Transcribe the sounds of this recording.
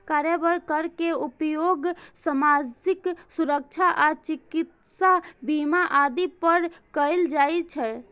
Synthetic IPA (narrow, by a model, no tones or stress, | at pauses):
kaɾjəbəɾkəɾkeupjoɡsəmad͡ʒiksuɾək̚t͡ʃʰaʔat͡ʃikit̪ | sabimaʔad̪ipəɾkəjld͡ʒajt͡ʃʰɛ